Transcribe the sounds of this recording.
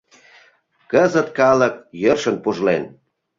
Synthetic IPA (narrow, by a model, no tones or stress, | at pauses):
kəzət̪kɑlək̚jərʃənpuʒlen